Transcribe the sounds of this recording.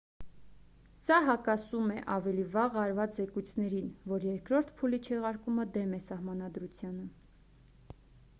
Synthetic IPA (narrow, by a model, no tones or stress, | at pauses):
sɑɦɑkɑsumɛʔɑvɛlivɑʁɑɾvɑt͡szɛkujt͡sʰnɛɾinvɔɾjɛɾkɾɔɾt̪ʰpʰulit͡ʃʰɛʁɑɾkuməd̪ɛmɛsɑhmɑnɑd̪ɾut͡sʰjɑnə